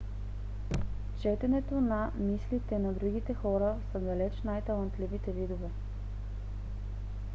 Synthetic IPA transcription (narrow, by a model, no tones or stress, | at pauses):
t͡ʃɛt̪ɛnɛt̪onɐmislit̪ɛnɐd̪ɾuɡit̪ɛxɔɾəsəd̪ɐlɛt͡ʃnajt̪ɐlˠɐnt̪livit̪ɛvid̪ovɛ